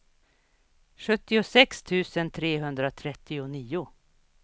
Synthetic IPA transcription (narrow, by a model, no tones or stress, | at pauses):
ɧɵt̪ːɪʊsɛkst̪ʰʉ̟ːsənt̪ʰɾeːɦɵnd̪ɾat̪ʰɾɛt̪ːɪʊniːʊ